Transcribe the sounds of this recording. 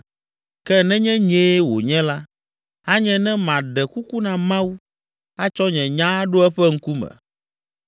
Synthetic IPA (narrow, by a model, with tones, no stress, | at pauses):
kɛ˦nɛ̃˦ɲɛ̃˦ɲɛ̃˦wo̰˨ɲɛ̃˦la˦ | a˦ɲɛ̃˦nɛ̃˦mã˨ɖɛ˨ku˦ku˦nã˨mã˦wu˦ | a˦t͡ʃɔ˦ɲɛ̃˨ɲã˦ɖo˦ɛ˦ɸɛ˦ŋ̩˦ku˦mɛ̰̃˨